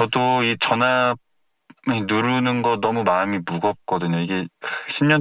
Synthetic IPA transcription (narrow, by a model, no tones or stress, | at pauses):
ʌdoit͡ɕʌna | enuɾunɯnɡʌnʌmumamimuɡʌt̚k͈ʌdɯɲoiɡe̞ɕʰimɲʌ